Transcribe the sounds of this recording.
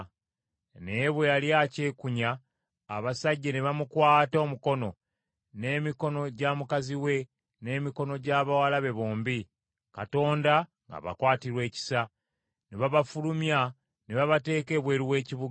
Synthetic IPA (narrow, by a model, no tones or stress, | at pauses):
ne̞βwealjace̞ːkuɲaː | βasaɟːene̞βamukwaːto̞ːmuko̞no̞ | ne̞ːmiko̞no̞ɟaːmukaziwe̞ | ne̞ːmiko̞no̞ɟaβawalaβe̞βoːmbi | kato̞ːnda | ŋɡa̰βa̰kwaːtiɾwe̞ːci̥sa | neβaβafulumja | neβaβate̞ːke̞ːβwe̞ːɾiwe̞ːciβu